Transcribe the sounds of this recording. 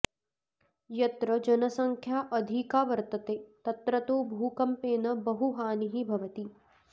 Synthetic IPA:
jɐt̪ɾɐd͡ʒɐnɐsɐŋkʰjaːʔɐd̪ʱikaːʋɐɾt̪ɐt̪eːt̪ɐt̪ɾɐt̪oːbʱuːkɐmpeːnɐbɐɦuɦaːniɦibʱɐʋɐt̪i

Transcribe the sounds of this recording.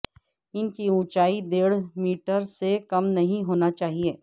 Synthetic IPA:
ɪnkiũːt͡ʃaːid̪eːɽmiːʈəɾsekɐmnɐɦĩɦoːnat͡ʃaːɦieː

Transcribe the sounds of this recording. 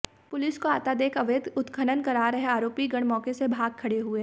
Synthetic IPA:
pʊlɪskoaːt̪ad̪eːkʰɐʋjəd̪ʊt̪kʰənənkɐɾaːɾɐɦeaːɾoːpiɡɐɽ̃mɔːkesebʱaːɡ̚kʰɐɽeɦʊeː

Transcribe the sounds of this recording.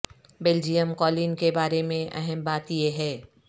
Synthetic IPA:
beːld͡ʒijəmkɔːliːnkebaːɾemẽʔɛ̰ɦɛmbaːt̪jeɦɛː

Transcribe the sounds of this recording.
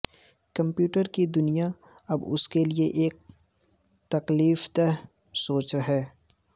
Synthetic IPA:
kɐ̃mpjuːʈəɾkid̪ʊnija | ɐbʊ̰skelieʔeːk̚ | t̪ɐkliːft̪ɛɦ | soːt͡ʃɾɐɦɛː

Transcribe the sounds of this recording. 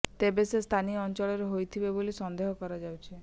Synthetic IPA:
t̪ebesest̪ʰaniɔnt͡ʃɔɭɔɾeɦojt̪ʰibebolisɔnd̪eɦɔkɔɾad͡ʒawt͡ʃʰi

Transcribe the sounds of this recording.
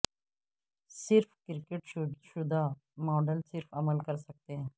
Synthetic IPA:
sɪɾfʰkɪɾkeʈʃʊd̪ʱaː | mɔːɖəlsɪɾfʰəməlkəɾsək̚t̪eɦɛ̃ː

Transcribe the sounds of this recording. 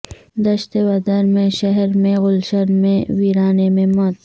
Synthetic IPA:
d̪ɐʃt̪ewɐd̪əɾmẽʃɐɦɾmẽɣʊlʃɐnmẽwiːɾaːnemẽmɐt̪

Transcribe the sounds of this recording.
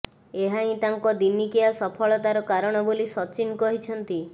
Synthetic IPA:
eɦaĩt̪aŋkɔd̪inikiasɔpʰɔɭɔt̪aɾɔkaɾɔɽ̃ɔbolisɔt͡ʃinkɔɦit͡ʃʰɔnt̪i

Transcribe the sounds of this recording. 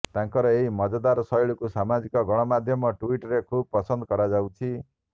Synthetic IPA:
t̪ãŋkɔɾɔeɦimɔd͡ʒɔd̪aɾsɔjɭukusamad͡ʒikɔɡɔɽ̃ɔmad̪ʱjɔmɔʈuiʈɾekʰub̚pɔsɔnd̪ɔkɔɾad͡ʒawt͡ʃʰi

